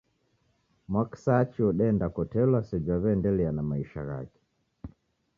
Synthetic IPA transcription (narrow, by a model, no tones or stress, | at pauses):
mwaksat͡ʃiɔɗɛndakɔtɛlwasɛd͡ʒwaβɛndɛlianamaiʃa̰ɣa̰kɛ̥